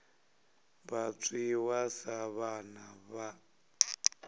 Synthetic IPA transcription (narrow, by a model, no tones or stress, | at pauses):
βat͡sʼiwasaβanaβa